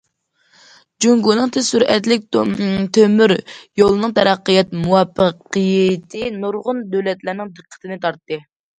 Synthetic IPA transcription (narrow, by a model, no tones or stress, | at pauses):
d͡ʒuŋɡunɨŋt̪ʰesyɾɛt̪lɪk̚ʲt̪ʰømyɾjolˠɨnɨŋt̪ʰɛɾɑqːəjɛt̪̚muwɑpːəqɨjɪt̪ʰɪnuɾʁʊnd̪ølɛt̪læɾnɪŋd̪ɨqʰːə̥t̪ʰɪnɨt̪ʰɑɾt̪ːɨ